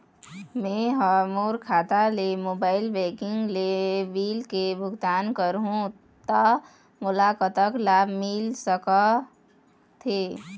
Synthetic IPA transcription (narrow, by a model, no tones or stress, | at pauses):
mẽɦəmoːɾkʰaːt̪alemoːbaːɪlbekɪŋɡlebiːlkebʱʊɡt̪aːnkəɾɦũ | t̪ə | mʊlaːkət̪əklaːbʱmɪlsəkə | t̪ʰe